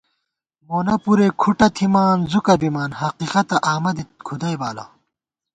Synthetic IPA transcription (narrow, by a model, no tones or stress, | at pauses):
moːnɐpuɾeːkʰuʈɐt̪ʰimaːnzukɐbimaːnhɐqiːqɐt̪ɐʔaːmɐd̪it̪̚kʰud̪ɐjbaːlɐ̰